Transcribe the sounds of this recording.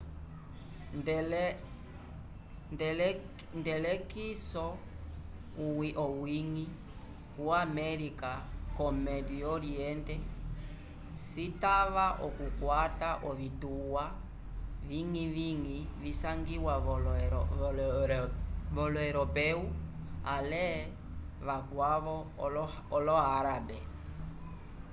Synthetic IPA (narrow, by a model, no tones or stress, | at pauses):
l | ndl | ndɛlɛkisɔ | ʔɔwiŋi | kuamɛɾikakɔmɛdiɔɾiɛndɛ | sitaβaʔɔkukwataʔɔβituwa | viŋiviŋivisaŋɡiwa | vɔlɔɛɾɔpɛu | alɛ | βakwaβɔ | ɔlɔaɾabɛ